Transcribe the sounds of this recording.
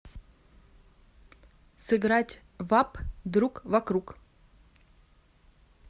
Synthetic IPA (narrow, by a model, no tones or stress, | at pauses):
sɨɡɾatʲ | vapd̪ɾukvɐkɾuk